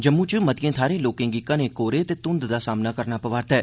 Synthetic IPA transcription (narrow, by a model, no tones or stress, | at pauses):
d͡ʒəmːũt͡ʃmət̪ijẽːt̪ʰaːɾẽːloːkɪ̃ŋɡɪkːãnekoːɾet̪eːt̪ʊ̃nd̪d̪aːsaːmnakəɾnaːpəʋaːɾt̪ɦɛː